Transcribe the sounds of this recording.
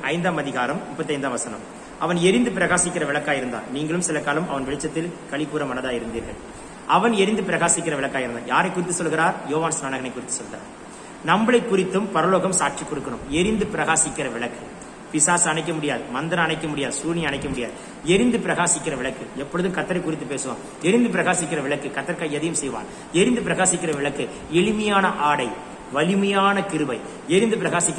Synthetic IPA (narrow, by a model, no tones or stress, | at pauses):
ʔɐɪnd̪aːmɐðɪɣaːɾɐmmʊpːɐt̪ːɐɪnd̪aːʋɐsɐnɐ̰m | ɐʋɐnɛɾɪnd̪ɯpɪɾɐɣaːsɪkːɪɾɐʋɪɭɐkːaːjɪɾɯnd̪a̰ːnniːŋɡɐɭɯmsɪlɐkːaːlɯmʔɐ̰ʋɐnʋɛɭɪt͡ʃːɐt̪ːɪlkɐɭɪpːuːɾɐmɐnɐðaːjɪɾɯnd̪iːɾɣɐ̰ɭ | ʔɐʋɐnɛɾɪnd̪ɯpɪɾɐɣaːsɪkːɪɾɐʋɪɭɐkːaːɪɾɯnd̪a̰ːja̰ːɾɐɪkːʊɾɪt̪ːɯsɔlːɣɪɾaːɾjoːʋaːnsnaːɳɐɣɐnɐɪkːʊɾɪt̪ːɯ̥sɔlɣɪɾa̰ːɾ | nɐmbɐɭɐɪkːʊɾɪt̪ːɯmpɐɾɐloːɣɐmsaːʈ̚t͡ʃikːɔɽɯkːɐɳɯmɛɾɪnd̪ɯpɪɾɐɣaːsɪkːɪɾɐʋɪɭɐkːɯ | pɪsaːsɐɳɐɪk̬ːɐmʊɽɪjaːðɯmɐnd̪ɐɾɐɐɳɐɪkːɐmʊɽɪjaːðɯsuːniɐɳɐɪkːɐmʊɽɪjaːðɯ | ɛɾɪnd̪ɯpɪɾɐɣaːsɪkːɪrɐʋɪɭɐkːɯɛpːɔɻɯðɯmkɐt̪ːɐɾɐɪkːʊɾɪt̪ːɯpːeːsɯʋa̰ːm | ɛɾɪnd̪ɯp̬ɪɾɐɣaːsɪkːɪrɐʋɪɭɐkːɯkɐt̪ːɐɾkaːɛðɐjɯmsɛjʋa̰ːn | ɛɾɪnd̪ɯpɪɾɐɣaːsɪkːɪrɐʋɪɭɐkːɯ | ɛɭɪmɐjaːnɐʔaːɽɐɪ | ʋɐlɪmɐjaːnɐkɪɾɯʋɐɪ | ɛɾɪnd̪ɯpɪɾɐɣaːsɪkː